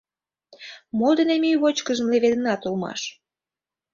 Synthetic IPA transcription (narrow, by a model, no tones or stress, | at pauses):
mod̪ənemyjβot͡ɕkəʒə̆mleβed̪ə̆nɑt̪ulmɑ̰ʃ